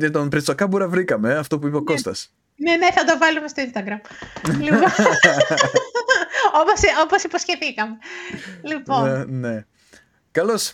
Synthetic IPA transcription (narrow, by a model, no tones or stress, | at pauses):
net̪onpɾet͡sokɐbuɾɐvɾikɐmeɐft̪o̞puipeoko̞st̪ɐs | neneθɐd̪ovɐlumest̪oinst̪ɐɡɾɐmliɣo | oposoposiposçe̞θikɐme̞liponne̞ | kɐlos